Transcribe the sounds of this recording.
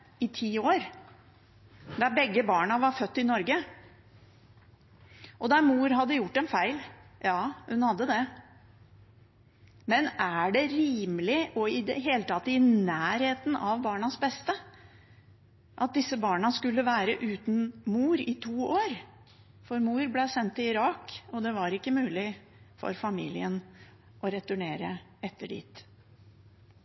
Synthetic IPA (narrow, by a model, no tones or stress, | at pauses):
ɪt̪ʰiːoːɾ | d̪æbɛɡːəbɑːɳɑʋɑɾfœt̪ːɪnɔɾɡə | ʔɔd̪ɑɾmuːɾɦɑd̪ːəjʊʈːɛnfæɪljɑːhʉnhɑd̪ːəd̪ɛ | mɛnæɖɛɾiːməlɪʔɔɪd̪ɛɦeːlət̪ʰɑt̪ːɪnæːɾheːt̪n̩ʔɑʋbɑːɳɑsbɛst̪ə | ʔɑt̪̚d̪ɪsːəbɑːɳɑskʉlːəʋæːɾəʔʉːt̪n̩muːɾɪt̪ʰuːoːɾ | fɔɾmuːɾblɛsɛnt̪ːɪɪɾɑːkɔd̪ɛʋɑɾɪkːəmʉːlɪ | fɔ̰ɾfɑmḭːlɪən | ʔɔɾɛt̪ʉɳeːɾəɛt̪ːəɖḭːt̪